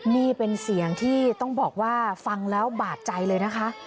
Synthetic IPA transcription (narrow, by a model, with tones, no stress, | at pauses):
niː˥˩pe˧nsi˨˩˦əŋt̪ʰiː˥˩t̪ɔ˥˩ŋbɔː˨˩k̚waː˥˩fa˧ŋlɛː˦˥wbaː˨˩t̪̚t͡ɕa˧jlɤː˧jna˦˥kʰa˦˥ʔ